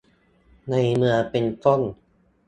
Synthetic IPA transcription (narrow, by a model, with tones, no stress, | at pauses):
na˧jmɯ˧ɐpe˧nfɔ˥˩ŋ